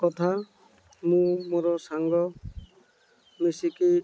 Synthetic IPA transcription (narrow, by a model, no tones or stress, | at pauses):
kɔt̪ʰa | mũmoɾɔsaŋɡɔ | mesiki